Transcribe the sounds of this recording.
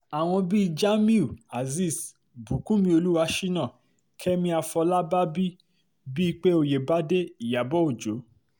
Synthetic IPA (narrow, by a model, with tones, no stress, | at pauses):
a˨w̃ɔ̃˧bi˦˧d͡ʒa˦mĩ˦u˨a˨zi˦˨s | bu˨kũ˦mĩ˧˦o˧lu˦wa˧ʃi˦nã˦˨ | kʰɛ˦mĩ˧a˧fɔ˧la˦ba˦bi˦ | bi˦i˧k͡pe˦o˧je˨ba˦de˦i˨ja˨bɔ˦o˨d͡ʒo˨˦